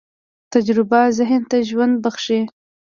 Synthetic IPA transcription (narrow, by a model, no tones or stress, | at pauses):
t̪ad͡ʒɾɪbazɪɦɪnt̪aʒwand̪̚baxʂe